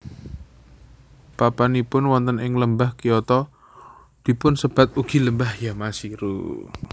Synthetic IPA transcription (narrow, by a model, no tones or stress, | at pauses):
papanipʊnwɔnt̪ənɪŋləmbahkijɔt̪ɔ | d̪̥i̤pʊnsəb̥a̤t̪̚uɡ̥i̤ləmbahjamasiɾṵ